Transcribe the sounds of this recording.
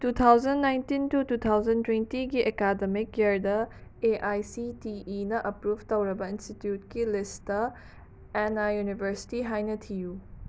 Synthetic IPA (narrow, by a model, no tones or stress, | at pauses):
tut̪ʰawzɐnːajntintutut̪ʰawzɐntwentiɡiʔekademikːeɾdɐeʔajsitiʔːnɐʔɐpɾubʱtɐwɾɐbɐinstitjut̚kilistɐ | ɛnajunibʱɐɾsi̥tiɦajnɐtʰiju